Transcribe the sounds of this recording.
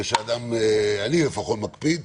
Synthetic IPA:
ʃead̪amealilefaχo̞t̪makpid̪

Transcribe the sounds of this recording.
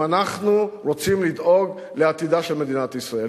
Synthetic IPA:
anaχnuʁot͡simlid̪o̞ɡ | leat̪id̪aʃelme̞d̪inat̪isʁae

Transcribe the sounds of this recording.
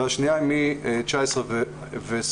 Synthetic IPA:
aʃniajmit͡ʃaɛsʁəv | vɛs

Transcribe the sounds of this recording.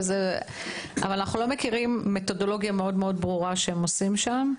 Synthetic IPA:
ze | a̰valanaχnulo̞me̞kiʁimːe̞to̞do̞lo̞ɡjame̞o̞dmeo̞dbʁuʁaʃeemosimʃam

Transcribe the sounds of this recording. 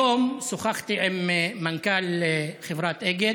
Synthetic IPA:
oːmsʊxaxt̪iʕɪmːankaːlxɪfɾˤɑːt̪ʔɪɡɪ

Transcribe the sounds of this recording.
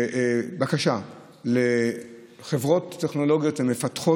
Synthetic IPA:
bakaʃa | le | χevʁo̞t̪ːe̞χno̞lo̞ɡjo̞t̪emːefat̪χo

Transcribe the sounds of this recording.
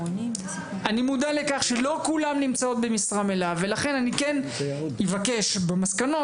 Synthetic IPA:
ʔanimud̪ale̞kaχʃe̞lo̞kulamnimt͡sao̞t̪̚bemisʁame̞lavːe̞laχenanikenivake̞ʃbemaskano̞

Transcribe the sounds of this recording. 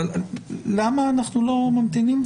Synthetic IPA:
lamaːnaχnulomamt̪inim

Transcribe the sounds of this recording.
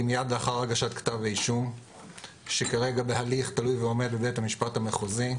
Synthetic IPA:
imijad̪leaχaʁaɡaʃatkḁt̪aveiʃum | ʃekaʁeɡabeɦaliχt̪alujveo̞me̞d̪̚bebe̞tamiʃpathameχozi

